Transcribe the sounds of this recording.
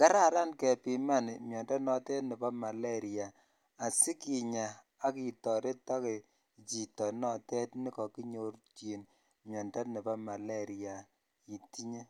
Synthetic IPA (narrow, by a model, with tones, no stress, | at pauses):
ka˦ɾa˦ɾa˦nkɛ˨pi˨ma˦nmjɔ˨ndɔ˦nɔ˨tɛ˦tni˨ba˦ma˨la˦ɾi˨a˨ | a˨si˦ki˨ɲaː˨˦ | ki˨tɔ˨ɾe˦ta˦ke˨ | t͡ʃi˨tɔ˨nɔ˨tɛ˦tni˦kɔ˨ki˦ɲo˦rt͡ʃi˨n | mjɔ˨ndɔ˦ni˨ba˦ma˨la˦ɾi˨a˨ | i˨ti˦ɲe˦